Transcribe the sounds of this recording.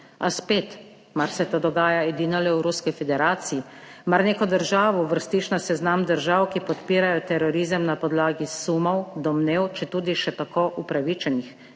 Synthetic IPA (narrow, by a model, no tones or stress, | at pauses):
a̰speːt̪ | maɾsɛt̪oːd̪ɔɡaːjaɛd̪iːnɔlɛwɾuskɛfɛd̪ɛɾaːt̪siji | maɾneːkɔd̪əɾʒaːʋɔʋəɾst̪iːt͡ʃnasɛznamd̪əɾʒawkipɔt̪piːɾajɔt̪ɛɾɔɾiːzəmnapɔd̪laːɡisumɔwd̪ɔmnewt͡ʃɛt̪uːd̪iʃɛt̪akoːʔupɾaʋit͡ʃɛnix